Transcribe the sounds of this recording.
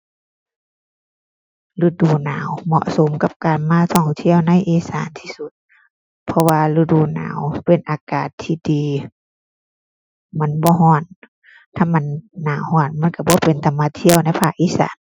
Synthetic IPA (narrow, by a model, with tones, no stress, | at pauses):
lu˧˩duː˨˧˩naː˨˦wmɔ̰˧ʔso˨˦mka˧p̚kaː˨nmaː˧˥˨sɔː˧˩ŋt̪ʰi˧˥˨əwna˧˥˨jʔeː˧˦saː˨˦nt̪ʰiː˧su˧˦t̪̚ | pʰɔ˧waː˧lɯ˧˩duː˧˩na̰ː˨˦wpe˨˩nʔaː˨˧kaː˨˩t̪ʰːiː˧˩diː˨˦ | ma˧˥˨nbɔː˧˦ɦɔː˧˥˩n | t̪ʰaː˧˥˨ma˧˥˨nːaː˨˦whɔː˧˩n̚ma˧˥˨nka˧˩bɔː˧˦pe˨nt̪a˨˦mːaː˧t̪ʰi˧˨əwna˧˥˨pʰaː˧˩kʔiː˧˥˨sa̰ː˨˦n